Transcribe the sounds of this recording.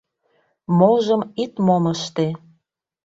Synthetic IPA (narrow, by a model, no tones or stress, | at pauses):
moʒə̆mit̪moməʃt̪e